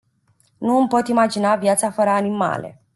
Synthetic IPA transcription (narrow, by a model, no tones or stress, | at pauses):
nuɨmpo̞t̪imad͡ʒinavjat̪safəɾəanima̰lḛ